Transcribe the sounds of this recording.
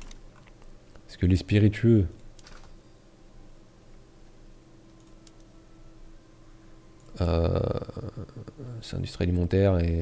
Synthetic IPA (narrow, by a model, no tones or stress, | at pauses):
skəlespiʁit̪ɥø | ø | sɛ̰̃d̪yst̪χialimɑ̃t̪ɛʁe